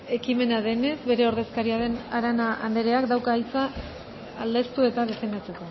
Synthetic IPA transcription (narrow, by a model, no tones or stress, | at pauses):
e̞kime̞naðe̞ne̞zβe̞ɾe̞o̞ɾðe̞skaɾiaðe̞naɾanaand̪eɾe̞akd̪awkaːjt͡saː | ld̪e̞st̪ue̞t̪aðefe̞nd̪at͡se̞ko̞